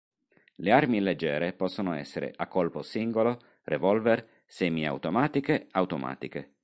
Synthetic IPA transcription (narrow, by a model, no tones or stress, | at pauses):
learmiled͡ʒːɛːɾepɔsːonoɛ̰sːeɾḛʔakːolposiŋɡolo | revɔlvɛr | sɛːmia̰wt̪omaːt̪ikeawt̪oma̰ːt̪ike